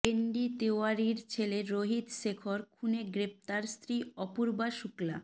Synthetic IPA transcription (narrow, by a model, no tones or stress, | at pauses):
eɳɖit̪eoaɾiɾt͡ɕʰeleɾoɦid̪ʃekʰoɾkʰuneɡɾef̚t̪aɾst̪ɾiɔpuɾbaʃukla̰